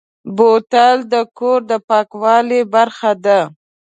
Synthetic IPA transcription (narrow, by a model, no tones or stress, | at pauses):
bot̪ald̪əkoɾd̪əpɑkwɑlebaɾxad̪a